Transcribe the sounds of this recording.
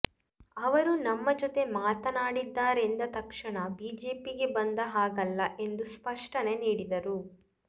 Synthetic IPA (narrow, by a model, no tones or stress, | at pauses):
ɐʋɐɾunɐmːɐd͡ʒɔt̪e̞maːt̪ɐnaːɽid̪ːaːɾend̪ɐt̪ɐkʂɐɳɐbiːd͡ʒe̞ːpiɡe̞bɐnd̪ɐɦaːɡɐlːɐʔe̞nd̪uspɐʂʈɐne̞niːɽid̪ɐɾu